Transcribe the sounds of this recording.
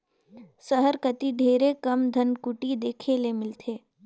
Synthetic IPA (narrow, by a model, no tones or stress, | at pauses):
səɦəɾkɐt̪iɖʱeːɾekɐmd̪ʱənkʊʈid̪eːkʰelemɪlt̪ʰeː